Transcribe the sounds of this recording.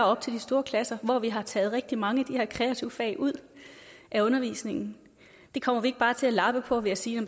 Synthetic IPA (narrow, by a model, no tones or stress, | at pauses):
ɒ̽b̥̚t͡sʰe̝ldisd̥o̝ːɐkʰlæsɐʋɒʋiɦɑ̈t͡sʰɛ̰ːð̞̩ˠʁɛɡ̥̚d̥imɑ̈ŋəæd̥ihe̝ɐ̰kʰʁɛæt͡sʰiʊəfɛ̰ːɪʔuð̞̰ˠ | ʔæɔ̽nɐʋḭːsne̝ŋn̩ | d̥e̝kʰɒ̽m̰ɐʋie̝ɡ̥̚b̥ɑ̈ːt͡sʰe̝lælɑ̈b̥əpʰɒ̽ʋe̝æsiːnɒ̽m